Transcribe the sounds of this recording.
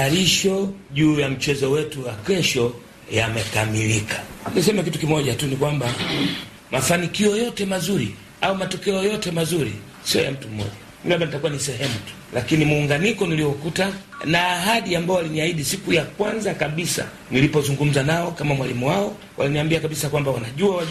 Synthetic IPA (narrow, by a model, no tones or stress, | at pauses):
aɾiʃɔʄuːjam̩t͡ʃɛzɔwɛtuwakɛʃɔ | jamɛkamilikʰḁnisɛmɛkitukimɔʄatunikwamba | mʔafanikiɔjɔtɛmazuɾḭ | aumatɔkɛɔjɔtɛmazuɾḭ | siɔ̰ja̰m̩tum̩mɔ̰ʄa | ilaɓanitakuwanisɛɦɛmutu̥lakinimuːŋɡanikɔniliɔkuta | naːɦaɗiambaɔwaliniaiɗisikujakwanzakaɓisa̰ | nilipɔzuŋɡum̩zanaɔkamamwalimuwaɔ | wʔa̰liniambiakaɓisakwambawanaʄuawa